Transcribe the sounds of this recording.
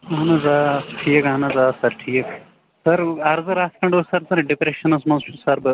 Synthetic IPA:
ɐɐnɐzaːʈʰiːjɐkɦɐnɐzaːsɐɾʈʰiːk | sɐɾɐɾzɨɾaːskɐɳɖosɐɾsɐɾɖipɾeʃɐnɐsmɐnzt͡ʃʰusɐɾbɨ

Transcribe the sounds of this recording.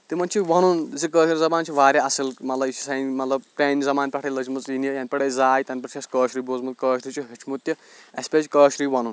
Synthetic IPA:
t̪imɐnt͡ʃʰiʋɐnunzikəːʃɾizɐbaːnt͡ʃʰiʋaːɾʲjaɐsɨlmɐt̪lɐbisʰi̥sajnmɐt̪lɐb̚pɾʲeːnizɐmaːnʲpʲɐʈʰɐlɐzmɨt͡sinjijanʲpɐɽeːjzaːjt̪ɐnʲpɐɾt͡ʃʰɐskəːʃɾiboːzmɨt̪̚kəːʃɾit͡ʃʰiɦit͡ʃʰmut̪ʲːjɐ | espʲezkəːʃɾiːʋɐnun

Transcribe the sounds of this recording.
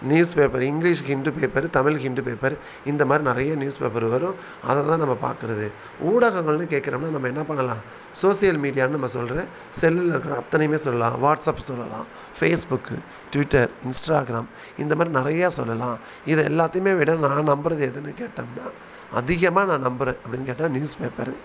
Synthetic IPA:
njuːspeːpɐɾɪŋɡɪliːʂhɪɳɖɯpeːpɐɾt̪ɐmɪlɦɪɳɖɯpeːpɐɾ | ɪnd̪ɐmaːd̪ɾinɪɾɐjɐnjuːspḛːpːɐɾʋɐɾʊ̃ | ɐ̰ðɐt̪ãːnɐmːɐpa̰ːɾkɯɾɐðɯ | ʔuːɽɐɣɐŋɡɐɭnɯkeːʈkɪɾɐːmnːaːnɐmːɐɛnːɐpɐɳːɐlãː | soːsɪjɐlmiːɽɪjaːnɯnɐmːɐsɔlɾɐ | sɛlːɯlɪɾɯkːɪɾɐɐt̪ːɐnɐjɯmeːsɔlːɐlã̰ːʋaːʈsapːsɔlːɐ̰lã̰ː | feːsbʊkːɯ | ʈʊʋɪʈːɐɾɪnsʈaːɣɪɾaːm | ɪnd̪ɐmaːd̪ɾinɪɾɐjaːsɔ̰lːɐlãː | ɪðɛɛ̰lːaːt̪ːɐjmeːʋɪɽɐnãːnɐmbɯɾɐðɯɛðɯnːɯkeːʈːɐːmnːaː | ɐ̰ðɪɣɐmaːnãːnɐmbɯɾẽːʔɐpːɐɽɪnːkeːʈːãːnjuːspeːpɐ̰ɾ

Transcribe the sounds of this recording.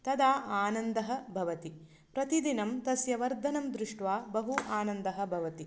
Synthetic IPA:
t̪ɐd̪aːʔaːnɐnd̪ɐɦɐ̆bʱɐʋɐt̪i | pɾɐt̪id̪inɐmt̪ɐsjɐʋɐɾd̪ʱɐnɐmd̪ɾuʂʈʋaːbɐɦuʔaːnɐnd̪ɐɦɐ̆bʱɐʋɐt̪i

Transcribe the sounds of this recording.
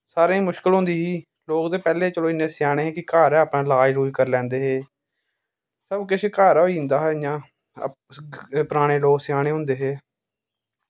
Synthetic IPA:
saːɾẽːmʊʃkəlɦʊ̃nd̪iːɦiː | loːkd̪eːpɛːleːt͡ʃəloːɪnːeːsɪjaːɽ̃eːɦeːkɪkaːɾɛːapɳãːlaːd͡ʒɾuːkəɾlɛ̃ːnd̪eːɦeː | səbkɪt͡ʃʰkaːɾoːiːnd̪aːɦɛjãː | pəɾaːɽ̃eːloːksɪjaːɽ̃eːɦʊ̃nd̪eːɦeː

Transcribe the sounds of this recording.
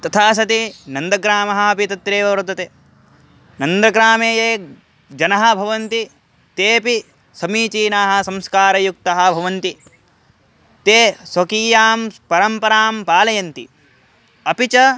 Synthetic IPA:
t̪ɐt̪ʰaːs̬ɐt̪inɐnd̪ɐɡɾaːmɐɦɐɐpit̪ɐt̪ɾeːʋɐʋɾɐd̪ɐt̪eː | nɐnd̪ɾɐɡɾaːmeːjeː | d͡ʒɐnɐɦɐ̆bʱɐʋɐnt̪i | t̪eːpi | sɐmiːt͡ʃiːnaːɦɐ̆sɐmskaːɾɐjuk̚t̪ɐɦɐ̆bʱɐʋɐnt̪i | t̪eːsɐkiːjaːmpɐɾɐmpɐɾaːmpaːlɐjɐnt̪i | ɐpit͡ʃɐ

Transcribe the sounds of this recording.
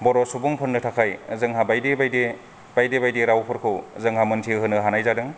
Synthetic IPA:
bɔɾɔsubuŋpʰɯnːɯtʰakʰajzɯŋɦabajdebajde | b̥ajdebajdeɾawpʰɯɾkʰɯwzɯŋɦamɯntʰiɦɯnɯɦanajzadɯŋ

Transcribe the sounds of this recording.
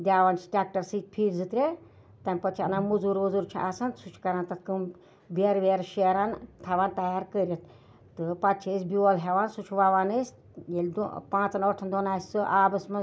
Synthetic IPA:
d̪ʲaːʋant͡ʃʰi̥ʈʲak̚ʈɐɾsɨt͡ʃʲpʰiːɾʲd͡zɨt̪ɾʲe | t̪ɐnʲpɐt͡ʃʰɐ̰naːmud͡zuɾuzuɾt͡ʃʰiʔasɐnsut͡ʃʰkɐɾant̪ɐt̪ʰkɨm | beɾʋeɾʃeɾant̪ʰɐʋaːnt̪ɐjaːɾkəɾʲit̪ | t̪ɨpɐt̪t͡ʃʰesʲbʲuɐlɦʲeʋaːnsut͡ʃʰʋaːʋaːnəsʲ | jelʲd̪pãːt͡sɐnoʈʰɐnd̪onaːsʲɨʔaːbɐsmɐ

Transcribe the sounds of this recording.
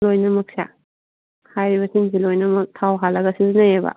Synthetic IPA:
lojnɐmɐk̚sa̰ | hajɾiβɐsinzilojnɐmɐk̚tʰawɦalːɐɡɐsizinajeba̰

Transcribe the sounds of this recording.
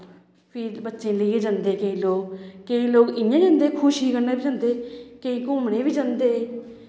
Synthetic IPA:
pʰiːbətːʃẽːləieːd͡ʒãnd̪eːkeĩːloːkkːeĩːloːkɪnjãːd͡ʒãːnd̪eːkʰʊʃɦiːkəɾnaːbiːd͡ʒãːnd̪eːkeĩːkʊmɽẽːbiːd͡ʒãːnd̪eː

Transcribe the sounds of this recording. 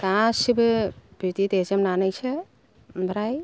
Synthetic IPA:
kãsibbʱit̪it̪ed͡ʒemnanəjt͡ʃʰɛ | bʱɾaj

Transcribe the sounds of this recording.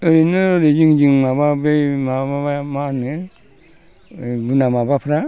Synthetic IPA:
ɯɾinɯɾed͡ʒiŋd͡ʒɯŋmaβabejmababamanɯ | bɯnamabapʰɯɾa

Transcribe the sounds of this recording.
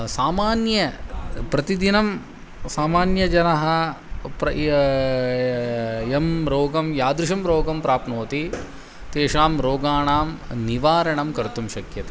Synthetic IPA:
saːmaːnjɐpɾɐt̪id̪inɐm | saːmaːnjɐd͡ʒɐnɐɦɐ | pɾɐ | emɾoːɡɐmjaːd̪ɾuʃɐmɾoːɡɐmpɾaːpnoːt̪i | t̪eːʂaːmɾoːɡaːɳaːmniʋaːɾɐɳɐmkɐɾt̪umʃɐkjɐt̪i

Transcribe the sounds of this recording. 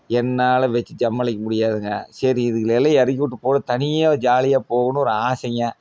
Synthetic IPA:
ɛnːaːlɐʋɛt͡ʃːɯd͡ʒɐmːɐlɪk̬ʲːɐmʊɽɪjaːðɯŋɡɐ̰sɐɾiɪðɯkːɯlɛlːɐɐɾɯkːʋɯʈ̬ːɯpoːɽɐt̪ɐnɪjad͡ʒaːlɪjaːpoːɣɐnʊ̃ɔɾɯaːsɐŋa

